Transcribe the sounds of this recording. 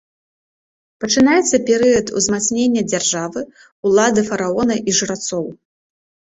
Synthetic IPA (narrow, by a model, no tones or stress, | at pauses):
pɐt͡ʂɨnajɛt̪sːɐpʲɛɾɨjɐt̪ṵzmat̪snʲenʲːɐd͡zʲarʐavɨ | ulˠad̪ɨfɐɾaɔnɐʔiʐɨɾat̪sɔw